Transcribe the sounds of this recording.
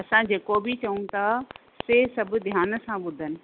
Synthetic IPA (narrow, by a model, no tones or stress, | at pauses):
ɐsãd͡ʑeːkobʱit͡ɕɐũt̪ʰa | sesɐbʱʊ̆d̪ʱjaːnə̆sãɓʊd̪ʱənɪ̆